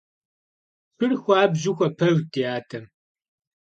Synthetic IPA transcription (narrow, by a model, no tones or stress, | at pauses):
ɕɨrxʷaːbʑɪxʷɐpʰɐʒtʰiaːtʰɐm